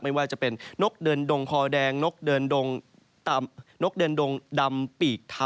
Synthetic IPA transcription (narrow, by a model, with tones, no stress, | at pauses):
k̚ma˥˩waː˥˩t͡ɕa˨˩pe˧nːo˦˥k̚dɤː˧ndo˧ŋkʰɔː˧dɛː˧ŋno˦˥k̚dɤː˧ndo˧ŋ | t̪a˧mno˦˥k̚dɤː˧ndo˧ŋda˧mpiː˨˩k̚t̪ʰa˧